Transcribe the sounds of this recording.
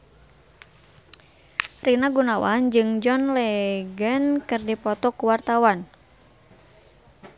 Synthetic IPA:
rinaɡunawa̰nd͡ʒɨŋd͡ʒɔnlɛɡənkɨrdipɔt̪ɔkuwart̪awan

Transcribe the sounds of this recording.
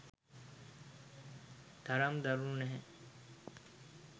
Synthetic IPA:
d̪̥ʱɐɾɐmd̪ɐɾunɛɦɛ̃

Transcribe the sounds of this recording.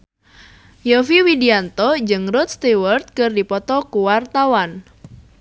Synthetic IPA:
jofiwidiant̪ɔd͡ʒɨŋɾʊt̪̚st̪iwərt̪̚kɨrdipɔt̪ɔkuwart̪awan

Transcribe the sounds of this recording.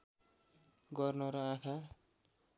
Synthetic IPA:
ɡʌrnʌɾʌãkʰa

